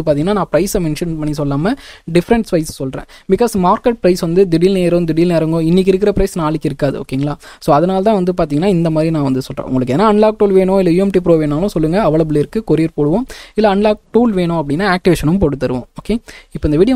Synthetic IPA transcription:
ɯpaɾt̪iŋɐnaːnãːpɪɾɐɪsmɛɳʂɐnpɐɳːis̬ɔlːaːmɐɖɪfɾɐɳʈsʋɐɪssɔlrḛ̃ː | bɪkaːsmaːɾkɛʈ̚pɾɐɪsʋɐnd̪ɯd̪ɪɽiːlneːɐɾɯ̃md̪ɪɽiːlneːɾɐŋɡõɪnːɪk̬ːɪɾɯk̬ːɪɾɐpɾɐɪsnaːɭɪkːɪɾɯkːaːðɯ̰o̰ːkːeːŋɡɐɭaː | soːɐðɐnaːlt̪ãːʋɐnd̪ɯpaːɾt̪iːŋɡɐnːaːɪnd̪ɐmaːd̪ɾinãːʋɐnd̪ɯsɔlrḛ̃ːʔʊŋɡɐɭɯkːeːnːaːɐɳlaːk̚ʈuːlʋeːɳõɪlːɐjuːɛmʈip̬ɪɾoːʋeːnːaːlʊ̃sɔlːɯŋɡɐːʋɐɭɐbɪlɪɾɯkːɯkɔɾɪɾpoːɽɯʋõːɪlːɐɐɳlaːk̚ʈuːlʋeːɳʊ̃ɐp̬ːɐɽɪnːaːaːk̚ʈɪʋeːʂɐnʊ̃mpoːɽɯt̪ːɐɾɯʋõ̰ːoːkeɪpːoːɪnd̪ʋiːɽɪjɐ

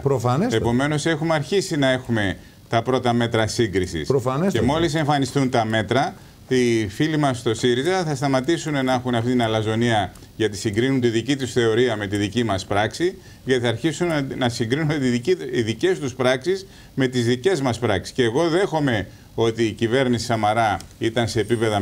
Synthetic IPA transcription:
pɾofɐnesepo̞me̞no̞se̞xumeɐɾçisinɐe̞xume̞ | t̪ɐpɾo̞t̪ɐme̞t̪ɾɐsiŋɡɾisḭsɾofɐnesemo̞lise̞ɱfɐnist̪unt̪ɐme̞t̪ɾɐ | ifilimɐst̪o̞siɾizɐθɐst̪ɐmɐt̪isunenɐexunɐft̪it̪inɐlɐzo̞niɐ | ʝɐt̪isiŋɡɾinunt̪iðicit̪usθe̞o̞ɾiɐme̞t̪iðicimɐspɾɐksi | ʝɐt̪iθɐɾçisunnɐsiŋɡɾinunet̪iiðice̞st̪uspɾɐksis | me̞t̪izðice̞zmɐspɾɐksi̥sceːɣo̞ðe̞xo̞me̞ | o̞t̪iːcive̞ɾnisi̥sɐmɐɾɐit̪ɐnse̞ːpipe̞ðɐ

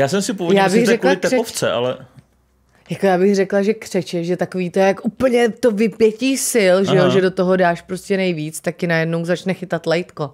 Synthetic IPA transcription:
jaːsɛmsɪpovojaːbɪɣɾɛklaɪkt̪ɛɛoft͡sɛ̰ʔa̰lɛ̰ | jakojaːbɪxrɛklaʒɛkr̝̥ɛt͡ʃɛʃʒɛt̪akoviːt̪oɛakʔupl̩ɲɛt̪o̞vɪpjɛciːsɪlʒɛjoʒɛdo̞t̪oɦo̞daːʃpɾoscʲɛnɛjviːt͡st̪ak̚cɪnajɛdno̞wzat͡ʃnɛxɪt̪at̪lɛjt̪ko̞

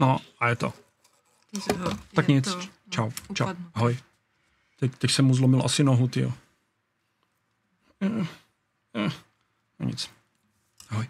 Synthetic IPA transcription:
noajɛt̪o̰ | t̪akɲɪt͡s | t͡ʃawt͡ʃa̰aɦɔj | t̪ɛct̪ɛcsɛmuzlomɪlʔa̰sɪnoɦut̪ɪo | oɲɪ̰t͡s | aɦɔj

